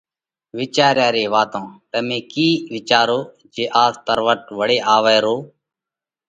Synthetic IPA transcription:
ʋɪt͡ʃaːɾjaːɾeːʋaːt̪õːt̪əmẽːkiːʋɪt͡ʃaːɾoː | d͡ʒeːʔaːst̪əɾʋəʈʋəɽeːʔaːʋəːɾoː

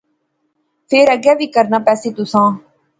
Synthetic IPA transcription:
pʰeːɾəɡjaːʋiːkəɾnaːpɛːseːt̪ʊsãː

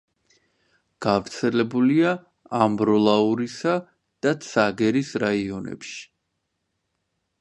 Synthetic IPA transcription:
ɡ̥avɾt̪sʰɛlɛbuliaː | mbɾɔlˠauɾisa | d̪̥at̪sʰaɡɛɾisɾaiɔnɛ̰pʃi̥

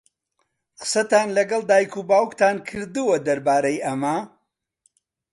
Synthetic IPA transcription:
qə̥sɐt̪aːnlɐɡɐlˠd̪aːjkʰubaːwkt̪ʰaːnkʰɨɾd̪ɨwɐd̪ɐɾbaːɾɐjʔɐmɐ

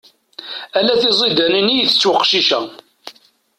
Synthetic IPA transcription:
ælæθizˤid̪ænənijθə̥t͡sːwəqːʃiʃæ

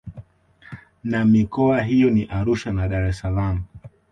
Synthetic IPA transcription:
namikɔaɦijɔniʔaɾuʃanaɗaɾɛsalamu

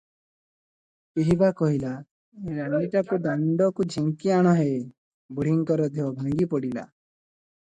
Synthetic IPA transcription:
keɦibakɔɦila | eɾaniʈakud̪ɔɳɖɔkud͡ʒʱiŋkiaɽ̃ɔɦe | buɽ̤iŋkɔɾɔd̪eɦɔbʱaŋɡipɔɽila̰

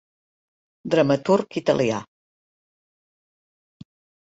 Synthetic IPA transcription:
d̪ɾəmət̪urkit̪ə̰lia̰

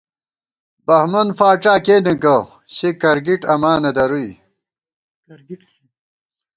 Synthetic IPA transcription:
bɐhmɐnfaːʈ͡ʂaːkeːnd̪ɐkɐ | ɕekɐɾɡiʈɐmaːnɐd̪ɐɾuj

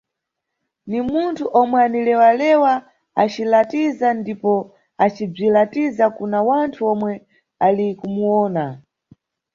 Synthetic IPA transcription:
nimuntʰuʔɔmwɛanilɛwalɛwa | at͡ʃilatizandipɔ | at͡ʃib͡ʐilatizakunawantʰuɔmwɛ | alikumuɔːna

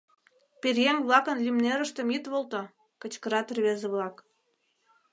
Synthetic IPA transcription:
perʲjeŋʲβlˠɑkə̆nlʲymneɾə̆ʃt̪ə̆mit̪βolt̪ŏ | kə̆t͡ɕkə̆ɾɑt̪rβezĕβlɑk

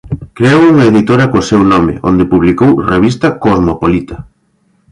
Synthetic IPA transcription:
kɾeowuŋɐeðit̪oɾɐkosewnɔmɪ̰ʔo̰nd̪ɪpuβlikowreβ̞ist̪ɐkoðmopolit̪ɐ̥

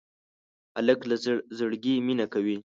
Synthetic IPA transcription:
aləklazəɽɡiminakawi

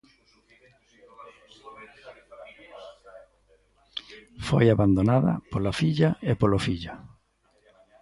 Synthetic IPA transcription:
fo̰jaβand̪onaðɐ̰polafiʎaepolofiʎa

